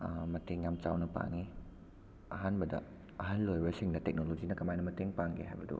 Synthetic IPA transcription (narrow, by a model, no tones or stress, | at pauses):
amat̪ɛŋːamt͡ʃawnapa̰ŋi | aɦanbada̰ | aɦanlojbəsiŋdatɛk̚nolod͡ʒinakamajnamat̪ɛŋpaŋɡḛɦa̰bado̰